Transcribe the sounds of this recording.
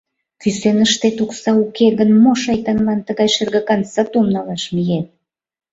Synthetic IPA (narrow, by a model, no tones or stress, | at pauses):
kysenəʃt̪et̪uksɑukeɣənmoʃɑjt̪ɑnlɑnt̪əɣɑjʃerɣəkɑnsɑt̪umnɑlɑʃmijet̪̚